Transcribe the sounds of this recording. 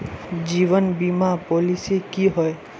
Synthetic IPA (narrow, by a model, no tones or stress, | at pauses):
d͡ʒiβɔnbimapɔlisekiɦɔj